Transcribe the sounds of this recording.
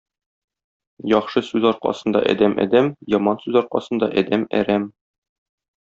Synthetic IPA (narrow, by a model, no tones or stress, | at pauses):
jɒχʃɤsʉzɒɾqɑ̰sɤ̆nd̪ɑ̰ʔæ̰d̪æmʔæ̰d̪æmjɒmɑnsʉzɒɾqɑ̰sɤ̆nd̪ɑʔæd̪æmæ̰ɾæm